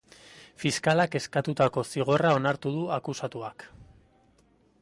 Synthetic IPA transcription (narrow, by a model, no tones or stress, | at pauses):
fiskalake̞skat̪ut̪ako̞siɣ̞o̞rao̞naɾt̪uð̞uakusat̪uak